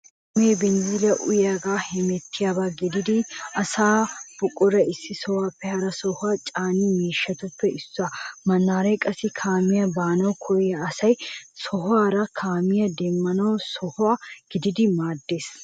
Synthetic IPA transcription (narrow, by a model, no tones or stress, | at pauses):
meːbɛnzɪlɐʔʊ̰jaɡaːhɛmɛt̪ːɪjabaːɡɪd̪ɪd̪ɪɐsaːb̥ʊkʼːʊɾɐɪsːɪsɔwaːpːɛhɐɾɐsɔhʊaːt͡ʃʼaːniːmiːʃːɐt̪ʊpːɛʔɪsːʊamɐnːaːɾɐjkʼɐsɪkʰaːmɪjɐbaːnɐwkʰɔjɐːsɐjsɔɦʊaːɾɐkʰaːmɪjɐd̪ɛmːɐnɐwsɔhʊaɡ̥ɪd̪ɪd̪ɪmaːd̪ːe̞ːs